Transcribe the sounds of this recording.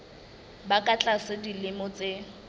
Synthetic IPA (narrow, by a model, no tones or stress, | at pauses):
bakʼat͡ɬʼasɪdilɪmɔt͡sʼe